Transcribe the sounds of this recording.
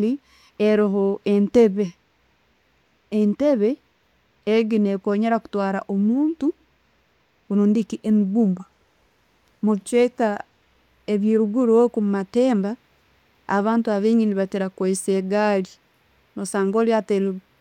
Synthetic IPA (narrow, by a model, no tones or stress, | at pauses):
li | eɾiɦoʔenteβe | nteβeː | ɡinekoːɲeɾaku̥twaːɾaʔomuːntu | unoːndikiʔemiɡuːmba | muit͡ʃweka | eβjiːɾuɡuɾokummateːmba̰ː | βaːntuaβeːɲɡiniβatiɾakwoiseɡali | nosaːŋɡoliateɾi